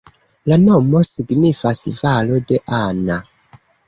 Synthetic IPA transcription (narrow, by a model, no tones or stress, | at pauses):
lano̞mo̞siɡnifasvalo̞de̞ʔana